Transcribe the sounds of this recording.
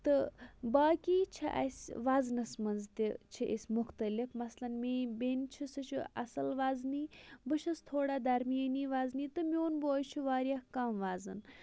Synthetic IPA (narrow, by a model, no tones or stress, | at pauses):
t̪ɨbaːkiːt͡ʃʰḭʔɐ̰sʲʋaːznɐsmɐnzt̪it͡ʃʰiʔḭsʲmʊxt̪ɐlifmɐslɐnmʲeːbʲeːnʲt͡ʃʰisɨt͡ʃʰuɐ̰sɐlʋaːzniːbɨʃɐst̪ʰoːɽaːd̪ɐɾmijɐniːʋaːzniːt̪ɨmʲoːnboːjt͡ʃʰuʋaːɾijahkɐmʋaːzɨn